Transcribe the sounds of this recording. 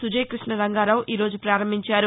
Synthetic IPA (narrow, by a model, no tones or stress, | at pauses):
sud͡ʒɐjkɾiʂɳɐɾɐŋɡaːɾaːwʔiːɾo̞ːd͡ʒupɾaːɾɐmbʱiɲt͡ʃaːɾu